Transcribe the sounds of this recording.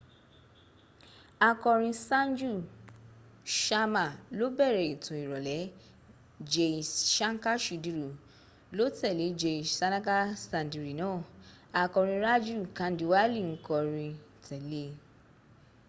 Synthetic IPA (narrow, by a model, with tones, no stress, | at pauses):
a˧kɔ˧ɾ̃ĩ˧sã˦n˦d͡ʒu˦˨ | ʃa˧ma˨lo˨˦bɛ˦˨ɾɛ˨i˨tũ˨i˨ɾɔ˨lɛ˨˦ | d͡ʒe˧˨ʃã˦ŋ˦ka˦ʃi˨di˧ɾu˨ | lo˦tɛ˦˨le˨˦d͡ʒe˧˨sa˧nã˦ka˦sã˧ndi˨ɾi˨nɔ̃ː˨˦˨ | a˧kɔ˧ɾ̃ĩ˧ɾa˦d͡ʒu˦˨kã˧˦n˦di˨wa˦li˦˨ŋ̩˦kɔ˧ɾĩ˧ | tɛ˨le˦